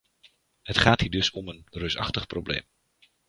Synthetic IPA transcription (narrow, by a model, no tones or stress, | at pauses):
hətχaːthiːdɵsɔmənrøsɑ̰χtəχproblḛːm